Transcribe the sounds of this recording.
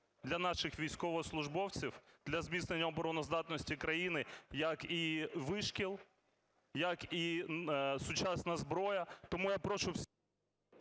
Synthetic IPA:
d̪lʲɐnɑʃɪxʋʲijsʲkɔʋɔslˠʊʒbɔwt͡sʲiwd̪̥lʲɐzmʲisnenʲːɐɔbɔɾɔnɔzd̪ɑt̪nɔsʲtʲikɾɐjinɪjɐkiʋɪʃkʲilˠ | jɐki | sʊt͡ʃɑsnɐzbɾɔjɐt̪ɔmujapɾɔt͡ʃʊwsʲ

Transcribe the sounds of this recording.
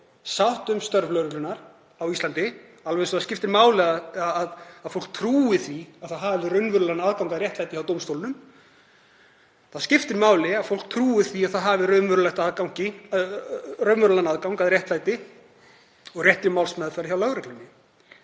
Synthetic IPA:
sawht̪ʏmst̪œɾvlœɥɾʏlʏnaɾ̥ | awist̪ant̪ɪ | alvɛnsɔθascɪft̪ɪɾmaːwlɪaaaðaðfowl̥k̚t̪ʰɾuːɪθviaðθaðɦavɪrœɥnvʏɾʏlanaðkawŋkaðɾjɛht̪lajt̪ɪçawt̪owmst̪owlɪnʏm | θaðscɪft̪ɪɾmaːwlɪaðfowl̥k̚t̪ʰɾuːɪθviaðθaðɦaːvɪɾœɥvʏɾʏlajht̪ːðkawŋ̥cɪ | rœɥnvʏɾʏlanaðkawŋkaðɾjɛht̪lajt̪ɪ | ɔɣrjɛht̪ɾʏmawlsmɛðfaɾçawlaɣɾɛklʏnːɪ

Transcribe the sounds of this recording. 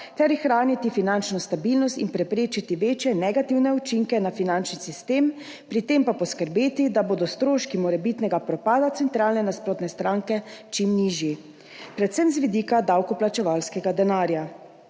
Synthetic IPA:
t̪ɛɾxɾaːnit̪ifinant͡ʃnɔst̪abilnɔst̪inpɾɛpɾeːt͡ʃit̪iʋeːt͡ʃjɛnɛɡat̪iwnɛut͡ʃiŋkɛnafinant͡ʃnisist̪eːm | pɾit̪empapɔskəɾbeːt̪id̪aboːd̪ɔst̪ɾoːʃkimɔɾɛbit̪nɛɡapɾɔpaːd̪at̪sɛnt̪ɾaːlnɛnaspɾoːt̪nɛst̪ɾaŋkɛt͡ʃimniːʒji | pɾɛt̪sɛmzʋid̪iːkad̪awkɔplat͡ʃɛʋalskɛɡad̪ɛnaːɾja

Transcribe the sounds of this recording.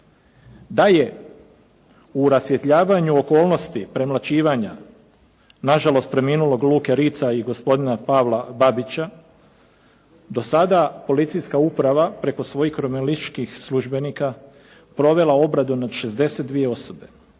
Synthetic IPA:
d̪aje̞ | uɾasje̞t̪ʎaːʋaɲuo̞ko̞ːlˠno̞st̪ipɾe̞mlˠat͡ɕiːʋaɲa | naʒalo̞st̪pɾe̞miːnulo̞ɡlˠuːke̞ɾiːt̪saiɡo̞spo̞d̪inapaʋlˠababit͡ɕa | d̪o̞sad̪apo̞lit̪sijskaupɾaʋapɾe̞ko̞sʋo̞jixɾomelist͡ʃkixsluʒbe̞niːka | pɾo̞ʋe̞lˠao̞bɾad̪unad̪ʃe̞zd̪e̞set̪d̪ʋije̞o̞sobe̞

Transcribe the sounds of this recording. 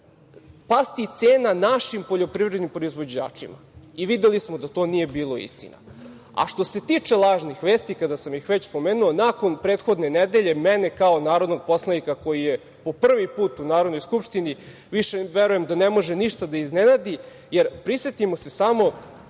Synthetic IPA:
past̪it̪seːnanaʃimpo̞ʎo̞pɾivɾe̞d̪nimpɾo̞izʋo̞d͡ʑa̰ːt͡ʂḭma̰iʋid̪elismod̪at̪o̞ːnije̞biːlˠo̞ḭst̪ḭna̰ | a̰ʃt̪o̞se̞t̪iːt͡ʂe̞lˠaːʒnixʋeːst̪ikad̪asamjixʋet͡ɕspo̞meːnuonako̞npɾeːt̪xo̞d̪ne̞ned̪e̞ʎe̞menekaonaːɾo̞d̪noɡ̚po̞slˠaikako̞jije | po̞pr̩ʋipuːt̪unaːɾod̪nojskupʃt̪ini | ʋiʃeʋeɾuje̞md̪anemo̞ʒeniʃt̪ad̪aiznenad̪i | jeɾpɾisʋet̪imo̞se̞samo̞

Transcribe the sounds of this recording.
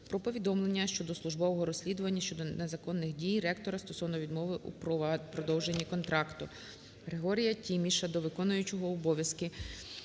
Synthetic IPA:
pɾɔpɔʋʲid̪ɔmlˠe̞nʲːɐʃt͡ʃɔd̪ɔslˠʊʒbɔʋɔɦɔɾɔsʲlʲid̪ʊʋɐnʲːɐʃt͡ʃɔd̪ɔnezɐkɔnːɪxdʲijrɛkt̪ɔɾɐst̪ɔsɔwnɔʋʲid̪mɔʋɪʔṵppɾɔd̪ɔwʒe̞nʲːikɔnt̪ɾɑkt̪ʊ | ɣɾeɦɔɾʲijɐtʲimʲiʃɐd̪ɔʋɪkɔnʊjʊt͡ʃɔɦɔːbɔʋʲjɐskɪ

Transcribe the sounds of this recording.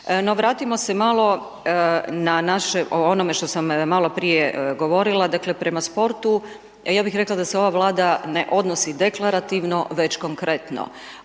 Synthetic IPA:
no̞ʋɾaːt̪imo̞semalˠo̞ | nanaʃeʔoonome̞ʃt̪o̞sammalo̞pɾijeɡo̞ʋo̞ɾilˠad̪akle̞pɾe̞maspo̞ɾt̪u | jaːbixɾe̞klˠad̪aseo̞ʋaːʋlˠaːd̪ane̞ʔo̞d̪nosid̪e̞klˠaɾat̪iʋno̞ʋe̞t͡ɕkoŋkɾʔe̞t̪no̰

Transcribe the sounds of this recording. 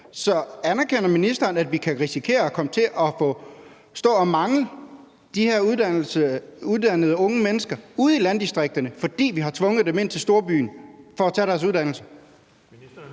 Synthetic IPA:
sɒ̽ænæɐkʰen̰ɐminisd̥ɐːnæd̥ʋikʰæʁisikʰe̝̰ːɐɒkʰɒ̽mət͡sʰe̝ʔɒ̽fɔ̽ | sd̥ɔ̰̽ːɒmɑ̈ŋlə | d̥iheɐ̰ | uðˠd̥ænəð̩ˠəɔ̽ŋəmenəsɡ̥ɐuð̩ˠilænd̥isd̥ʁeɡ̥̚d̥ɐnəfɒ̽d̥ḭːʋiɦɑ̈t͡sʰʋɔ̽ŋəð̩ˠd̥eme̝n̰t͡sʰesd̥o̝ɐb̥y̰ːnfɒ̽æt͡sʰɛ̰ːɾæɐs̬uð̞ˠdæn̰l̩sə

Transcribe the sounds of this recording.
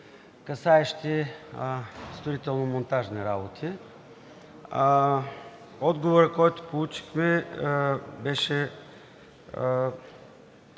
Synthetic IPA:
kɐsaɛʃt̪ʲi | st̪oɾit̪ɛlˠnomont̪aʒniɾabot̪ʰi | ɔd̪ɡovoɾəkɔjt̪o̥polˠut͡ʃi̥xmɛ | bɛʃɛ

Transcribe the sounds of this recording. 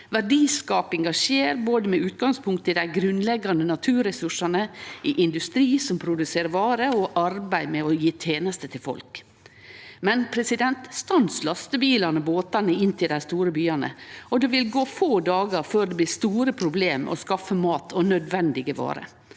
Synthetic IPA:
ʋæɖiːskɑːpɛŋɡɑʂeːɾboːd̪əmɛʉːt̪̚ɡɑŋspʰʊŋk̚t̪ɪd̪æɪɡɾʉnlɛɡɑnd̪ənɑt̪ʰʉːɾɛsʉʂɑnəɪʔɪnd̪ʉst̪ɾiːsɔmpʰɾʊd̪ʉseːɾʋɑːɾəɔʔɑɾbæɪmɛɔjiːt̪ʰeːnəst̪ət̪ʰɪlfɔ̰lk | mɛnpʰɾɛsɪd̪ɛnt̪st̪ɑnslɑst̪əbiːlɑnəboːt̪ɑnəɪnːt̪ʰɪld̪æɪst̪uːɾəbyːɑnə̰ɔd̪eʋɪlɡoːfoːd̪ɑːɡəɾføːɖ̪ɛblɪːst̪uːɾəpʰɾʊbleːm̰ɔ̰skɑfːəmɑːt̪ʰɔnœd̪ʋɛnd̪ɪɡəʋɑ̰ːɾə̰

